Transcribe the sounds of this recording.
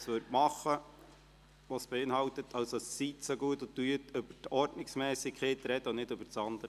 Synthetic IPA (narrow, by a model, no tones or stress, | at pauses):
sʋøɾtmɑχːə | ʋɑsb̥ɛɪnɦɑwt̪ət̪ʰɑwsɑssit̪soɡuət̪ot̪yətɵb̥ətɔɾdnɪksmɛːsikχeːt̪ɾɛd̥̪əonɪdɵbəɾt͡sɑnd̪əɾə